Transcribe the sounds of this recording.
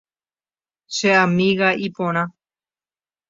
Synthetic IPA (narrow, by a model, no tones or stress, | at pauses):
ʃeamĩɣaʔipõɾ̃ã